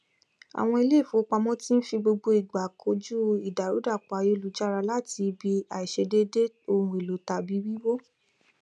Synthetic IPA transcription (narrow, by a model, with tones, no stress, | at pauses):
a̰˨w̃ɔ̃˧i˧le˦˨fo˨˦k͡pa˧mɔ̃˦ti˦n̩˦fi˧ɡ͡bo˧ɡ͡bo˧i˨ɡ͡ba˨kʰo˧˦d͡ʒu˦i˨da˨ɾu˨˦da˦˨k͡pa˨˦jo˦lu˦d͡ʒa˦ɾa˧la˦ti˧bi˧a˨i˨ʃe˧de˦de˦ | o˧ũ˧˨e˨lo˨˦ta˧˨bi˨˦wi˦wo˦